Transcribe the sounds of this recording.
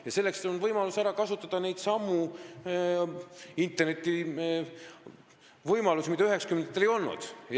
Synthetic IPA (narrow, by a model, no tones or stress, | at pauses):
jɑse̞lːekseonvɤjmɑlusæɾɑkɑsut̪ːˑɑd̪̥ɑne̞jd̪̥sɑmːu | int̪ːˑerne̞t̪ːˑi | vɤjmɑlusmid̪ɑyɦe̞ksɑkyment̪ːˑelejo̞lnṵd̪̥j